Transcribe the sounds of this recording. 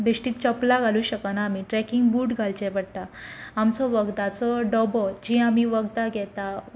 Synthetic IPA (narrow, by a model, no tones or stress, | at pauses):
biʂʈiːt̪̚t͡ɕəplaɡʱaluːɕəkənaːmiʈɾɛkiŋɡbuːʈɡʱalt͡ɕepəɽt̪aamt͡sɔʋəɡd̪at͡sɔɖɔbɔd͡ʑiamiʋəɡd̪aɡɛt̪a